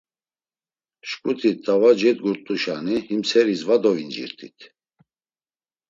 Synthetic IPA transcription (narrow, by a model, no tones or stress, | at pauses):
ʃkʼut̪ʰit̪ʼːavad͡ʒɛt̪̚ɡuɾt̪ʼuʃanihimsʰɛɾisvad̪ɔvind͡ʒḭɾt̪ʰʼḭt̪ʰ